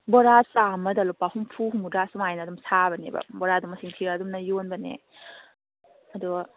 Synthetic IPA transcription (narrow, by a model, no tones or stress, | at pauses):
bɔɾasamɐdɐlupahumpʰuɦumudasumajnɐdumsabɐnḛbɐ̰bɔɾaduŋmɐsiŋtʰiɾaːdumnɐjonbɐnḛ | ɐduɡɐ